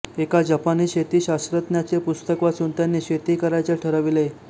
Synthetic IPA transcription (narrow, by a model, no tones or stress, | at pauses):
ekad͡ʑapaniːɕet̪iːɕasɾət̪njat͡sepust̪əkʋasunt̪janːiːɕet̪iːkəɾajt͡sjaʈʰəɾaʋile